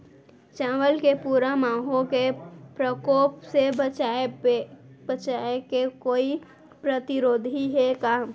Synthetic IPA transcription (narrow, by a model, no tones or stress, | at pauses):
t͡ʃãːwəlkepuːɾamãːɦõkepɾəkoːpsebət͡ʃa | bət͡ʃaːekekoːi | pɾət̪ɪɾoːd̪ʱiɦekaː